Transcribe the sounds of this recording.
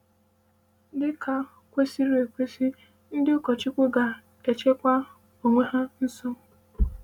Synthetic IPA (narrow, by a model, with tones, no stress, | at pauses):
dɪ˦ka˨ | kʷe˦si˦ɾe˨kʷe˦si˦ | n̩˦dɪ˦ʊ˦kɔ˨t͡ʃɪ˦kʷʊ˦ɡa˨ | e˨t͡ʃe˦kʷa˦ | o˨ŋʷe˦ɦa˦n̩˦sɔ˦